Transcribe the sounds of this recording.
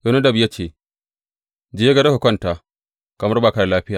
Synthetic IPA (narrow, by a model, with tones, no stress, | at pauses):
jo˦na˦dɐ˨bja˦t͡ʃeː˦˨ | d͡ʒe˦jɡɐ˦da˦hu˨kʷɔ˦ntaː˨ | kɐ˨mɐ˦rbaː˨ka˦ɽa˨laː˦ɸɪ˦jaː˨